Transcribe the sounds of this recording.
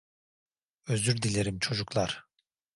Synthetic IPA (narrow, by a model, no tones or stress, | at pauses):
øzyɾd̪ilʲe̞ɾimt͡ʃʰo̞d͡ʒuklˠaɾ̥